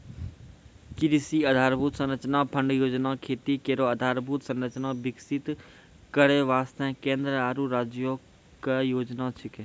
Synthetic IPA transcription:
kɪɾisiːɐd̪ʱaːɾbʱuːt̪sɐ̃nɾət͡ʃnapʰə̃ɳɖjoːd͡ʒnakʰeːt̪ikeːɾoɐd̪ʱaːɾbʱuːt̪sɐ̃nɾət͡ʃnabɪksɪt̪ | kəɾeʋaːst̪ʰɛ̃ːkẽːnd̪ɾəaːɾuɾaːd͡ʒjo | kəjoːd͡ʒnat͡ʃʰɪkẽ

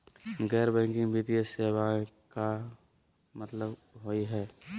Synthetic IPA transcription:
ɡɛːɾbɛ̃ːŋkɪ̃ŋbʱiːt̪ieseːwaka | mət̪ləbɦoiɦɛː

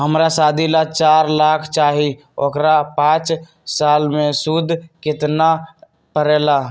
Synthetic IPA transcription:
ɦəmɾasaːd̪ʱilat͡ʃaːɾlaːkʰt͡ʃaːɦi | o̰kɾapãːt͡ʃ | saːlmẽsud̪ʱkɪt̪na | pəɾeːla

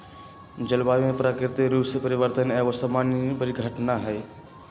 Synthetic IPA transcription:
d͡ʒɐlbaːjõẽpɾaːkɾɪt̪eɾuːspəɾɪʋəɾt̪ənɛːʋosɐmaːnpəɾiɡʱəʈnaɦɛː

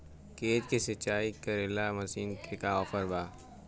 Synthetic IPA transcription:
keːt̪kesɐt͡ʃːaːikəɾɪlamɐsiːnkekaɔːfəɾbaː

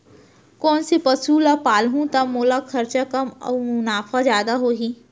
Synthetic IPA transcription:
kɔːnsepɐsulapaːlɦũt̪ɐmːoːlakʰɐɾt͡ʃakɐmɔ̰ːmʊnaːfazjaːd̪aɦoːɦi

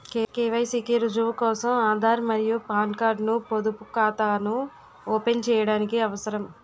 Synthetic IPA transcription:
kekeːʋɐjsiːkiɾud͡ʒuʋɐkɔːsɐmaːnd̪aːɾmɐɾijupaːɳɖkaːɾɖnupod̪upu̥kaːt̪aːnu | ɔːpent͡ʃɛːjɐɽaːnikiɐʋɐsɐɾɐm

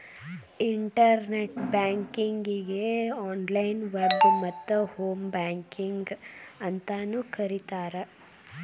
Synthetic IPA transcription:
iɳʈɐɾneʈbaːŋkiŋɡiɡeaːnlɐjnʋɐɾbmɐt̪ːuhoːmbaːŋkiŋɡɐnt̪anukɐɾit̪aːɾe

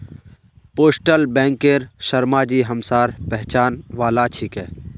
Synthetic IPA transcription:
poːsʈəlbɛ̃ːŋkeɾʃəɾmaːd͡ʒiːɦəmsaːɾpɛɦt͡ʃaːnʋaːlat͡ʃʰikɛː

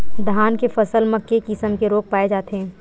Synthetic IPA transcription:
d̪ʱaːnkefɐsəlmɐkːekɪsəmkeɾoːk̚paːed͡ʒaːt̪eɦɛ̃ː

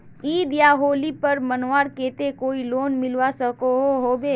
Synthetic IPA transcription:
iːd̪jaɦoːlipɐɾmənoaːɾkeːt̪ekoːiloːnmɪlʋasəkoɦoɦoːbeː

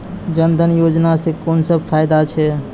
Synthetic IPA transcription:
d͡ʒənd̪ʱənjod͡ʒnasẽkonsəb̚pʰajd̪at͡ʃʰɛ

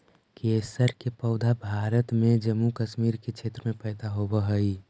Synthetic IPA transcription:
kesəɾkepəʊd̪ʱabʱaːɾət̪mẽd͡ʒəmːukəʃmiːɾket͡ʃʰeːt̪ɾəmẽpəɪd̪aɦobəɦəi

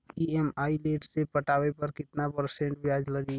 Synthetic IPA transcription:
iemaːileːʈsepəʈaːʋepɐɾkɪt̪napəɾsẽɳʈbjaːd͡ʒlɐɡi

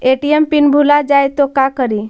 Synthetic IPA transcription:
eʈiempinbʱulad͡ʒajt̪okakəɾi

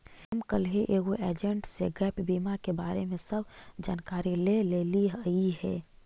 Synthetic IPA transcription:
əmkəlɦeʔeːɡoʔeːd͡ʒə̃ɳʈseɡɛːpbiːmakebaːɾemẽsəbd͡ʒaːnkaːɾileleːliɦəiɦɛː

